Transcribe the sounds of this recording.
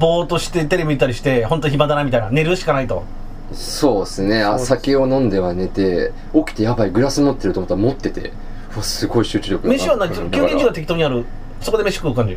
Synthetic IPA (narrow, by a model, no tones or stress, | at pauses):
bo̞ːt̪o̞ɕi̥t̪e̞t̪e̞ɾebʲiɲit̪ːaɾiɕi̥t̪e̞ho̞nt̪oiçibad̪anamʲit̪ainane̞ɾɯ̟ɕi̥kanait̪o̞ | so̞ːsɨne̞asakeo̞nõ̞nd̪e̞βane̞t̪e̞ | o̞kʲi̥t̪e̞jabaiɡɯ̟ɾasɨmot̪ːe̞ɾɯ̟omot̪ːaɾamo̞t̪ːe̞t̪e̞̰ | ɯasɨɡo̞iɕɨːt͡ɕɨɾʲo̞kɯmeɕiβanaisokʲɨːĩɲd͡ʑiɡat̪ek̬ʲi̥t̪oɲiaɾɯ̟ | so̞koeme̞ɕi̥kɯːkãɲd͡ʑi